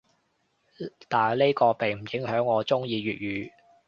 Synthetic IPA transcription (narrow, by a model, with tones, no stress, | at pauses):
t̪aː˨˩le˥jkɔː˧pe˨˩jm̩˨˩jɪ˨˥ŋhœː˨˥ŋːɔː˨˧t͡sʊ˥ŋjiː˧ɥyː˨t̚jyː˨˧